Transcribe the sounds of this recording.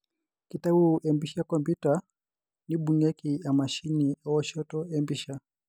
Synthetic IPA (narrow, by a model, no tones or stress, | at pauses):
kitaɓuʔɛmbiʃakɔmpjuta | niɓuŋɛkiamaʃiniɔwɔʃɔtɔɛmbiʃa